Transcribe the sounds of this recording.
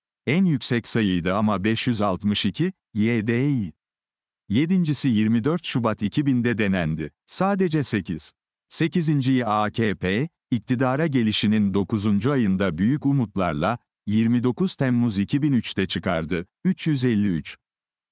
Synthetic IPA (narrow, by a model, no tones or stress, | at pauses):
ænjycʲsɛcsajɯjd̪ɯamabɛʃjyzalˠt̪mɯʃicʰi | jed̪eji | je̞d̪ind͡ʒisijiɾmid̪øɾt̪ʃubat̪ʰicʰibind̪ɛd̪e̞nænd̪ɪsaːd̪e̞d͡ʒɛse̞cʰiz̥ | se̞cizind͡ʒijiaːcʰeːpʰe | ic̚t̪ʰid̪aːɾaɟe̞lʲiʃinind̪o̞kuzund͡ʒuajɯnd̪abyjycumut̪lˠa̰ɾlˠa | jiɾmid̪o̞kuz̥t̪ʰæmːuzicʰibinyt͡ʃt̪ʰɛt͡ʃʰɯka̰ɾd̪ɯ | yt͡ʃjyzɛlʲːiyt͡ʃ